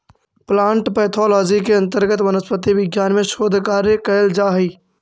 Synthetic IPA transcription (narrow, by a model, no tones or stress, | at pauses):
plaːɳʈpɛːt̪ʰɔːlɔːd͡ʒikeɐ̃nt̪əɾɡət̪ʋənəspət̪̬iʋɪɡjaːnmẽʃoːd̪ʱkaːɾjekəəld͡ʒaːɦiː